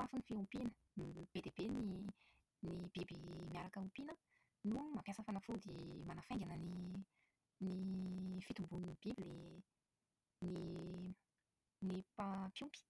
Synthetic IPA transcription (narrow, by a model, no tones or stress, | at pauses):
afinifiumpinə | b̥ed̪eb̥eni | nib̥ibimiaɾakəumpinə | numampjasafanafud̪emanafejŋɡanəni | nifit̪umbunnib̥ibile | ni | nipapjumpi̥